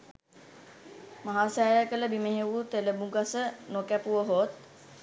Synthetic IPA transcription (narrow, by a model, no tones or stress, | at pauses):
maɦaːsajəkələbimeɦeʋut̪eləbuɡasənokæpuʋəɦoːt̪̚